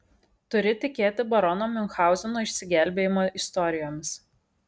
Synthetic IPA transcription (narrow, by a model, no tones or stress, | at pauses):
t̪ʊɾʲɪt̪ʲɪkʲeːt̪ʲɪbɐɾɔnoːmʲʊnxɑˑʊzʲɛnoːɪʃʲsʲɪɡʲæˑlʲbʲeːjɪmoːʔɪst̪ɔɾʲɪjoːmʲɪs